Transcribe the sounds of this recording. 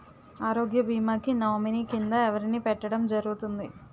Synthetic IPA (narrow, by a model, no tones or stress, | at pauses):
aːɾo̞ːɡjɐbiːmaːkinɐʋminikind̪ɐɛʋɐɾiniːpɛʈːɐɽɐmd͡ʒɐɾuɡut̪und̪i